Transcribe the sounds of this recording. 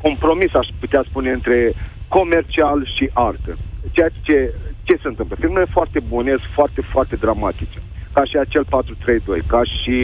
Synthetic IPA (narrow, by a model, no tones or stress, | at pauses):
ko̞mpɾo̞misaʃput̪easpune̞ɨnt̪ɾe̞ko̞me̞rt͡ʃialʃiʔart̪ət͡ʃejat͡ʃe̞t͡ʃe̞seɨnt̪ɨmpləfilmulefoart̪e̞bunesfoart̪e̞foart̪e̞d̪ɾamat̪it͡ʃe̥kaʃiat͡ʃe̞lpat̪ɾut̪ɾe̞jd̪o̞̰jkaʃi